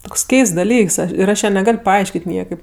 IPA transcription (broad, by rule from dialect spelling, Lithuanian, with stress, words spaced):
ˈtoːks ˈkʲɛɪsts dɐˈlʲiːks ɪr ˈɐʃ ˈjæː nʲɛˈɡɐlʲ pɐˈɐɪʃʲkʲeːtʲ ˈnʲiɛkɐɪp